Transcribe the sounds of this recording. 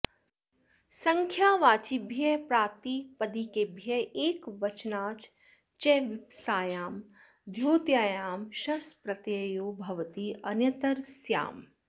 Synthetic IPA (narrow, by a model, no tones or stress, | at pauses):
sɐŋkʰjaːʋaːt͡ʃibʱjɐpɾaːt̪iːpɐd̪ikebʱjɐeːkʋɐt͡ʃnaːt͡ʃ | t͡ʃɛʋɪpsaːjaːm | d̪ʱjoːt̪jaːjaːmʃɐspɾɐt̪jɐjoːbʱɐʋɐt̪iɐnjɐt̪ɐɾsja̰ːm